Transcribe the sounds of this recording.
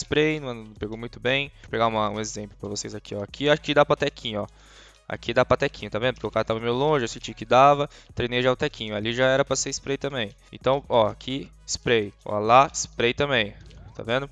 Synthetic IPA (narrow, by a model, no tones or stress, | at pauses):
spɾejnũñpeɡowmũj̃t̪ʊbẽj̃peɡaũmɐũezẽplʊpɾɐvosejzakʰiɔakiaʃʊ̥kɪd̪apɾɐt̪ɛkʰĩɲʊɔ | a̰kid̪apɾɐt̪ɛkĩɲʊt̪avẽd̪ʊpo̥ɾkeʊkaɾɐt̪avɐmejʊlõʒɪasĩt͡ʃikɪd̪avɐt̪ɾẽjnejʒaʊt̪ɛkĩɲʊaliʒaɛɾɐpɾɐseɪspɾejt̪ɐ̃mbẽj̃ḛ̃t̪ɐ̃w̃ɔakʰi | spɾejɔ̰laispɾejt̪ɐ̃mbẽj̃t̪a̰vẽnd̪ʊ